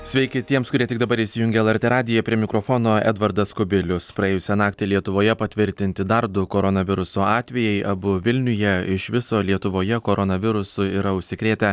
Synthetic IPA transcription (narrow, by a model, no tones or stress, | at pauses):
sʲʋʲɛɪkʲɪt̪ʲiɛmskʊɾʲiɛt̪ʲɪɡ̚d̪ɐbɐɾɪːsʲɪjʊŋʲɡʲɛːɛlˠɛɾʲt̪ʲeːɾɑːd̪ʲɪjɛpʲɾʲiɛmʲɪkɾofoːnoːɛ̰d̪ʋɐɾd̪ɐskʊbʲɪlʲʊspɾɐeːjʊsʲɛnɑːkt̪ʲelʲiɛt̪ʊʋoːjɛpɐt̪ʲʋʲɪɾʲt̪ʲɪnʲt̪ʲɪd̪ɐɾd̪ʊkoɾɔnɐʋʲɪɾʊsoːɑːt̪ʲʋʲɛjɛɪʔɐbʊʋʲɪlʲnʲʊjɛɪʃʋʲɪsoːlʲiɛt̪ʊʋoːjɛkoːɾɔnɐʋʲɪɾʊsʊiɾɐʊʃʲsʲɪkɾʲeːt̪ʲɛ